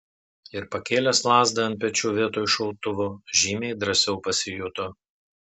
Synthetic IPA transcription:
ɪɾpɐkʲeːlʲɛslˠɑːzd̪ɐɐnt̪pʲɛt͡ʃʲuːʋʲiɛt̪oːjɪʃɔlˠt̪ʊʋoːʒʲiːmʲeɪd̪ɾɐsʲɛʊpɐsʲɪjʊt̪o

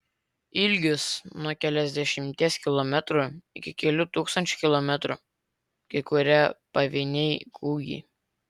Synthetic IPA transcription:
ɪlʲɡʲʊsnuɔkʲɛlʲɛzʲd̪ʲɛʃʲɪmʲt̪ʲiɛskʲɪlˠɔmʲɛt̪ɾuɪkʲɪkʲɛlʲʊt̪uːkst̪ɐnʲt͡ʃʲʊ̥kʲɪlˠɔmʲɛt̪ɾu | kɐɪkʊɾʲɛpɐʋʲɪnʲɛɪkʰuːɡʲḭː

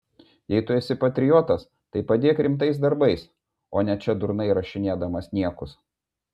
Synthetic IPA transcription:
jɛɪt̪ʊɛsʲɪpɐt̪ʲɾʲɪjoːt̪ɐs | t̪ɐɪpɐd̪ʲeːkɾʲɪmt̪ɐɪs̬d̪ɐɾbɐɪs | oːnʲɛt͡ʃʲɛd̪ʊɾnɐɪɾɐʃʲɪnʲeːd̪ɐmɐsnʲiɛkʊs

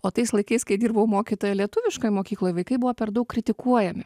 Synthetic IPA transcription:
oːt̪ɐɪslˠɐɪkɐɪskɐɪd̪ʲiːɾbɐʊmoːkʲit̪oːjɛlʲiɛt̪ʊʋʲɪʃkoːjmoːkʲiːklˠoːjʋɐɪkɐɪbʊʋoːpʲɛɾd̪ɐʊkːɾʲɪt̪ʲɪkuɔjɛmʲɪ

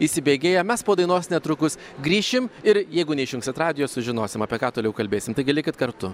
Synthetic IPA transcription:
isʲɪbʲeːɡʲeːjɛmʲɛspoːd̪ɐɪnoːsnʲɛt̪ɾʊkʊs | ɡɾʲiːʃʲɪmɪɾjɛɪɡʊnʲɛɪʃjʊŋksʲt̪ʲɛt̪rɑːd̪ʲɪjoːsʊʒʲɪnoːsʲɪmɐpʲiɛkɑːt̪oːlʲɛʊkɐlʲbʲeːsʲɪmt̪ɐɪɡʲɪlʲɪkʲɪt̪kɐɾt̪ʊ

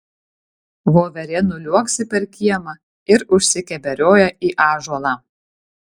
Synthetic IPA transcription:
ʋoːʋʲɛɾʲɛnʊlʲuɔksʲɪpʲɛɾkʲiɛmɐ | ɪɾʊʃʲsʲɪkʲɛbʲɛɾʲoːjɛiːʔɑːʒuɔlˠɑː

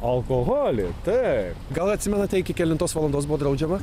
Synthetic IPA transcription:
ɐlˠkoɣoːlʲɪ̰t̪ɐɪpɡɐlˠɐt̪ʲsʲɪmʲɛnɐt̪ʲɛɪkʲɪkʲɛlʲɪnt̪oːsʋɐlˠɐnd̪oːsbuʋoːd̪ɾɐʊd͡ʒʲɛmɐ

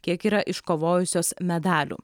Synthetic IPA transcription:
kʲiɛkiːɾɐʔɪʃkoːʋoːjʊsʲoːsmʲɛd̪ɑːlʲṵː

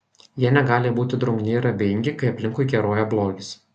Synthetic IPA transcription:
jiɛnʲɛɡɑːlʲebuːt̪ʲɪd̪ɾʊŋʲɡʲnʲeɪɾɐbʲɪŋʲɡʲɪkɐɪɐpʲlʲɪ̃ŋkʊɪɡʲɛɾoɔjɛblˠoːɡʲɪs

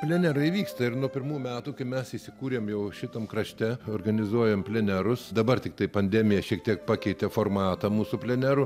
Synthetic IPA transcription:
pʲlʲɛnʲæɾɐɪʋʲiːkst̪ɐɪrnuɔpʲɪrmuːjmʲæːt̪uːkɐɪmʲɛsɪsʲɪkuːɾʲeːmjɛʊʃʲɪt̪ɐmkɾɐʃʲt̪ʲɛoːrɡɐnʲɪzuɔjɛmpʲlʲɛnʲæɾʊsd̪ɐbɐrt̪ʲɪk̚t̪ɐɪpɐnʲd̪ʲæmʲɪjɛʃʲiɛk̚t̪ʲiɛk̚pɑːkʲɛɪt̪ʲɛformɑːt̪ɐmuːsupʲlʲɛnʲæɾʊ

